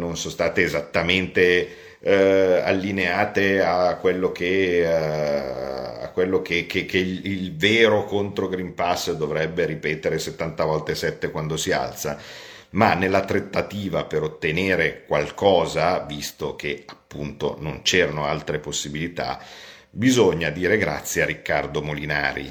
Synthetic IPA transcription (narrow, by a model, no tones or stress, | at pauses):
nonsõnst̪aːt̪eːzat̪ːament̪e | a̰lːineaːt̪eakːwelːoke | a̰kːwelːok̟ekʰːekːeilveːɾokont̪ɾoɡɾimpasːd̪ovɾɛbːeɾipɛːt̪eɾeset̪ːant̪avɔlt̪esɛt̪ːekwand̪osia̰lt̪sa | manːelːat̪ɾet̪ːat̪iːvapeɾot̪ːeneːɾekwalkɔːzavist̪ok̟eapːunt̪o̰nont͡ʃeːɾanoalt̪ɾeposːibilit̪a̰ | bizoɲːad̪iːɾeɡɾa̰t̪sːjearikːard̪omolina̰ːɾḭ